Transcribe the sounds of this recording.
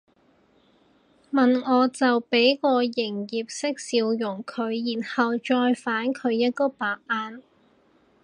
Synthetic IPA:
mɐ˨nŋɔː˨˧t͡sɐ˨wpe˨˥jkɔː˧jɪ˨˩ŋjiː˨p̚sɪ˥k̚siː˧wjʊ˨˩ŋkʰɵ˨˧ɥjiː˨˩nhɐ˨wt͡ʃɔː˧jfaː˨˥nkʰɵ˨˧ɥjɐ˥t̚kɔː˨˥paː˨k̚ʔaː˧n

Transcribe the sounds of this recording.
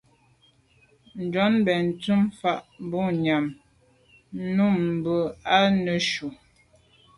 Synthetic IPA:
n̩˨d͡ʒɔ˨˦nbɛ˨n̩˨tu˦mfa˦˨ʔm˦bɔ˦˨ɲa˨m˦ | nu˦˨m̩˨bə˨a˦nə˨ʃu˨

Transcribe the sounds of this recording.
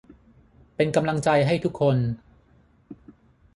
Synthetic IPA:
pe˧nka˧mla˧ŋt͡ɕa˧jɦa˥˩jt̪ʰu˦˥kʰːo˧n

